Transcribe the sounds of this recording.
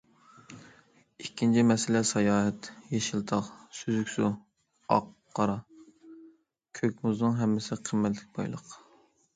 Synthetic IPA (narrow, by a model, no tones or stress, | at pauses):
ikʲʰːint͡ʃʰimɛsɪlɛsɑjɑːɦɛt̪jeʃilˠt̪ʰɑqsyzykʲsu | ɑ̰qʰːɑɾɑ | kʲʰøkʲmuznɨŋɦɛmːɪsɪqʰəmːɛt̪lɪk̚ʲbɑ̰jlˠə̰q